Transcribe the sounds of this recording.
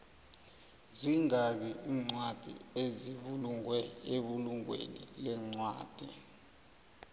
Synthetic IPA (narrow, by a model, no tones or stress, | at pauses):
ziŋak̬ɛʔiːŋ͡ǀwad̥ʱḭeziɓuluwɛeɓuluŋwḛnḭlɛŋ͡ǀwa̰ːd̥ʱi